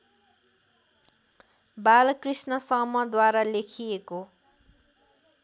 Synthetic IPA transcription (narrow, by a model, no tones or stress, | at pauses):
balkrisnʌsʌmʌd̪waɾalekʰijeko